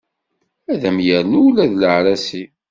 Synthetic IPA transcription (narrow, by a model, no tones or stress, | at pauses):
æðæmjəɾnuwlæðləʕɾæsi